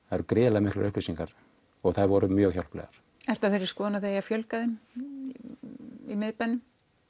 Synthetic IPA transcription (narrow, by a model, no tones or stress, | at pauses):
ajɾkɾɪːlamɪhklʏ̰ɾʏhplisiŋkaɾ | ɔɣθaðvɔɾʏmjœːɣçaw̪l̥plɛ̰ɣaɾ̥ | ɛɾ̥t̪aθeɾɪ̥skɔːnaðeːjafjœlkaðɪn | imɪðpanːʏm